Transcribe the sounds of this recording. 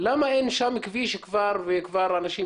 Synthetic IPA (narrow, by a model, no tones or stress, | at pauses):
lamaʔenʃamkviʃkvaɾvekvaɾanaʃi